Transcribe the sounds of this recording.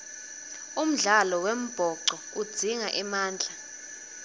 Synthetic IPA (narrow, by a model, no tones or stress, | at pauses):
um̩ɮalɔwem̩b̥ʱɔǀɔ | ud̥d͡z̥ʱiŋaʔɛmaːnd͡ɮʱa